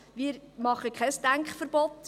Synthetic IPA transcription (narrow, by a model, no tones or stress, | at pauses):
miːɾmɑχəkχɛsd̥æŋkχfərɾb̥ɔt